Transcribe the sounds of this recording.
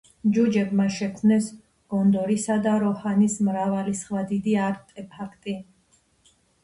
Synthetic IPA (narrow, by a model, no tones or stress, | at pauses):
d͡ʒud͡ʒɛbmaʃɛkʰmnɛs | ɡ̥ɔnd̪ɔɾisad̪aɾɔhanismɾavalisχwad̪id̪iaɾt̪ʼɛpʰakʰt̪ʼi